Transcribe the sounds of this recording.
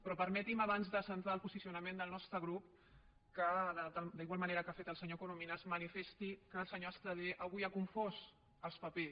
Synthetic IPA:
pɾɔpəɾmɛt̪imaβanzðəsənt̪aəlˠpuzisiunəmend̪əlˠnɔst̪ɾəɣɾup | kələd̪əd̪iɣwalˠmɐneɾəkafet̪əlˠsəɲokuluminəzmənifest̪ikəlˠsəɲoəst̪ɾəðeʔaɣujakuɱfos | əlˠspəpe

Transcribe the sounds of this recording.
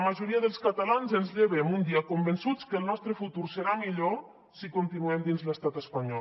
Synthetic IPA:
məʒuɾiəðəlˠskat̪alanzənzʎeβɛmund̪iəkombənsut͡skəlˠnɔst̪ɾəfut̪uɾsəɾamiʎo | sikunt̪inuɛmd̪inzləst̪at̪əspaɲɔ

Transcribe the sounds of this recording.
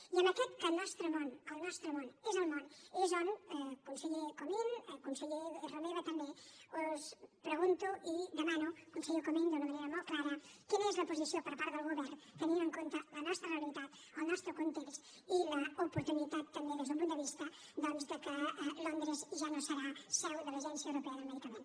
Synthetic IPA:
jəmɐkɛt̪kəlnɔst̪ɾomonolnɔst̪ɾomonezəlmoneʒɔŋɛkunseʎekominkunseʎeromeβat̪ɐmbeospɾəɣunt̪uʔid̪əmanukunseʎokomind̪unɐmɐnejɾɐmolklaɾɐkinezlɐposisjopɐɾpaɾt̪əlɣoβɛɾnt̪enind̪eŋkont̪ɐlɐnɔst̪ɾɐrelit̪at̪ | awnɔst̪ɾokont̪eks | ilɐopoɾt̪unit̪at̪̚t̪ambeðezðumpund̪əβist̪ɐ | d̪ɔnzd̪əkəlond̪ɾezʒanosəɾasɛwðəlaʒɛnsjɐewɾopɛɐðɐmeðikamen

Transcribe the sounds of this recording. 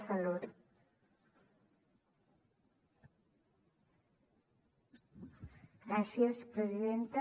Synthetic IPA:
səloɾ | ɡɾasiəspɾəziðent̪ə

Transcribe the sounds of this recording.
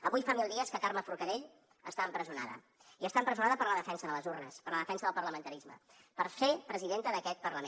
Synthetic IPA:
əβujfamilˠd̪iəskəkaɾməfuɾkəðeʎ | ə̰st̪aəmpɾəziuna̰ðə̰ | iəst̪aəmpɾəzunaðəpəɾləðəfɛnsəðələzurnəspəɾləðəfɛnsəðəlˠpərləmənt̪əɾizmə̰ | pəɾsepɾəziðent̪əðəkɛt̪̚pəɾləme

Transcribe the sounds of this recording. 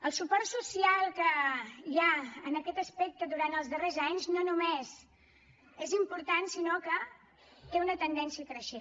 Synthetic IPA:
əlˠsupɔrsusialˠkəiaənəkɛt̪əspɛk̚t̪əd̪uɾant̪əlˠzðərezaɲznonumez | ezimpuɾt̪ansinokə | t̪eunət̪ənd̪ɛnsiəkɾəʃe

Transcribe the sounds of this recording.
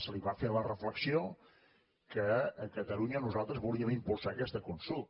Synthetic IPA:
səliβafeɾlərəfləksio | kəːkət̪əluɲənuzalˠt̪ɾəzβulˠiəmimpulˠsaəkɛst̪əkunsulˠt̪

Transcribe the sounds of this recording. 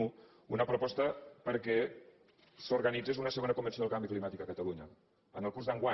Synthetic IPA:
u | unəpɾopɔst̪əpəɾkɛ | suɾɣanid͡zezunəsəɣonəkumbənsioðəlˠkambiklimat̪ikəkət̪əluɲə | ənəlˠkuɾzðəŋɡwa

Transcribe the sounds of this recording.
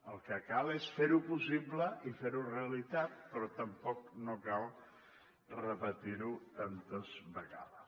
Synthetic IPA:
əlˠkəkalesfeɾupusibləʔifeɾureəlit̪at̪̚pɾɔt̪əmpɔknokalˠ | rəpət̪iɾut̪ant̪əzβəɣa̰ðəs

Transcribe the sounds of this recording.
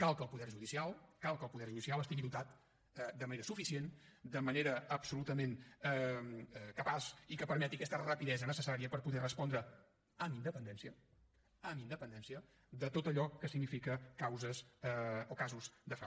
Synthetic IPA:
kalˠkəlˠpuðɛɾʒuðisialˠkalˠkəlˠpuðɛɾʒuisialˠəst̪iɣiðut̪at̪ | ɛd̪əməneɾəsufisiend̪əməneɾəəpsulut̪əmenɛ | kəpasikəpəɾmɛt̪iəkɛst̪ərəpiðɛzənəsəsaɾiəpəɾpuðɛrəspɔnd̪ɾə | əmind̪əpənd̪ɛnsiə | əmind̪əpənd̪ɛnsiə | d̪ət̪ot̪əʎɔkːəsiɡnifikəkawzəzokazuzd̪əfa

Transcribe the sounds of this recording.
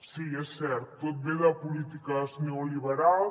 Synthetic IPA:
siɛsɛɾt̪t̪ːot̪̚bed̪ɐpulit̪ikɐsneoliβeɾalˠ

